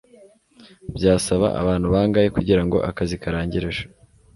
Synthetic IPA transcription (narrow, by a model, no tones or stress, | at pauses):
bjaːsaβa̰ʔa̰βaːnhuβaːŋɡaje̞kuɟiɾaŋɡo̞̰ʔakazikaɾaːɲɟiɾeʒḁ